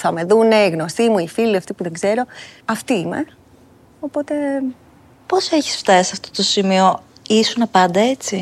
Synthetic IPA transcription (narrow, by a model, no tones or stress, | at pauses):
θɐme̞ðuneiɣno̞st̪imuifiliɐft̪ipuðe̞ŋɡze̞ɾo̞ɐft̪iimḛ | opo̞t̪e̞ | po̞se̞çi̥sft̪ɐsisɐft̪o̞t̪o̞simio̞ | isunɐpɐnd̪ɐe̞t͡si